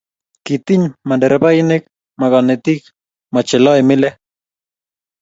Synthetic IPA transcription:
kit̪iɲmandeɾbajnek | maɣanet̪ik | mat͡ʃeloemile

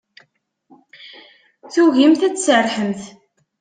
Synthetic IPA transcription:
θuʝimθæt͡sːsərˤħəmθ

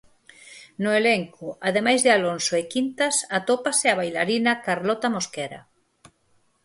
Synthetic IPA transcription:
nʊeleŋkʊaðemajzðɪalonsoekint̪asat̪opaseaβ̞ajlaɾinakaɾlɔt̪amoskɛɾa̰

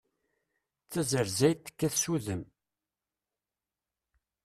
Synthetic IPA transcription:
t͡sːæzəɾzæjt̪ːə̥kːæθsuðəm

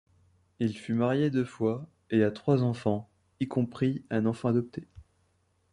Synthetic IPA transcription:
ilfymaʁjed̪øfwa | eat̪χwazɑ̃fɑ̃ | ikɔ̃pχiɛ̃nɑ̃fɑ̃ad̪ɔp̚t̪ʰe

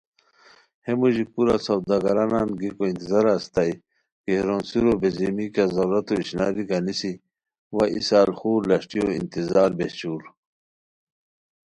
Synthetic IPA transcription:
hemuʑipuɾasɐwd̪aɡɐɾanaːnɡikoint̪izaɾast̪aj | keɾoːnsiɾobezimikazɐɾuɾɐt̪oiɕna̰ːɾiɡanisi | waʔisaːlxuːɾlɐɕʈijoḭnt̪izaːɾbeɕuːɾ

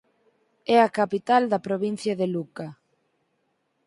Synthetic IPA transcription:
ɛɐkapit̪ald̪ɐpɾoβin̟θjɐðeluka

